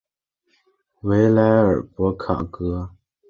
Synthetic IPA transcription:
we˨˦ɪla˨˦ə˨pwɔ˨˦kʰa̰˨ʔkɯ˧˦

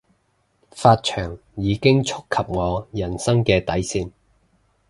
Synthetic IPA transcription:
faː˧t̚t͡ʃʰœː˨˩ŋjiː˨˧kɪ˥ŋt͡ʃʰʊ˥kʰːɐ˨p̚ŋɔː˨˧jɐ˨˩nsɐ˥ŋkɛː˧t̪ɐ˨˥jsiː˧n

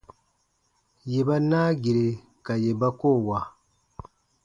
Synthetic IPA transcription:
je˨ba˦naː˦ɡi˨ɾe˨ | ka˨je˨ba˦koː˦˨wa˨

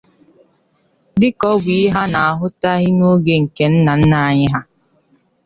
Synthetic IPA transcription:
dɪ˦kɔ˦ɡʷi˨˦ɦa˦na˨a˨ɦʊ˦ta˦ɦɪ˦no˦ɡe˦ŋ̩˨ke˨n̩˦na˨n̩˦na˦a˦˨ɲɪ˦ɦa˦

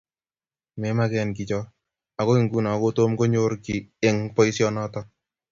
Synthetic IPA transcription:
mɛ˦ma˦kɛ˧nk̬i˨t͡ʃɔ˦ | a˨ko˦i˨ŋɡu˦nɔ˨ko˦to˦mko˦ɲo˦ɾki˨e˦ŋpɔ˦i˦sjɔ˦nɔ˦tɔ

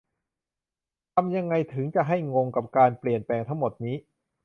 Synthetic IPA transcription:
t̪ʰa˧mja˧ŋːa˧jt̪ʰɯ˩˦ŋt͡ɕa˨˩ɦa˥˩jŋo˧ŋka˨˩p̚kaː˧npli˨˩ənplɛː˧ŋt̪ʰa˦˥ŋmo˨˩t̪̚niː˦˥

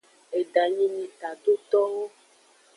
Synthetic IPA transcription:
e˨ɖa˨ɲĩ˦mĩ˨t̪a˨ɖo˦t̪ɔ˦wo˦

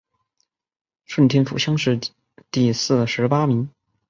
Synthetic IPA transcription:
ʂwə˥˩nt̪ʰjɛ˥nfṵ˨˩ɕjɑ˥ŋʂɻ̩˥˧ | t̪i˥˧sɹ̩˥˩ʂɻ̩˧˥pa˥mi˧˥ŋ

